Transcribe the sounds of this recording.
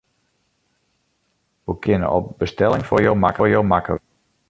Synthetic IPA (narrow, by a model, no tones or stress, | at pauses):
ʋəkʰɪnə̰ɔ̰bəstɛlɪŋfʊrjowmakərjowmakə̰